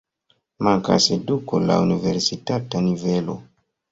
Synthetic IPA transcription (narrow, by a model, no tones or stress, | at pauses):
maŋka̰sedukola̰univeɾsitatanivelo̰